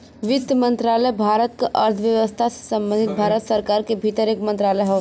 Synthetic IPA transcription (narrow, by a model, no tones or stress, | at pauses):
ʋɪt̪jəmə̃nt̪ɾaːləbʱaːɾət̪keʔɐɾt̪ʰʋjəʋəst̪ʰase̥sɐ̃mbə̃nd̪ʱɪt̪̚bʱaːɾət̪səɾkaːɾkebʱit̪əɾeːkmə̃nt̪ɾaːləɦɛ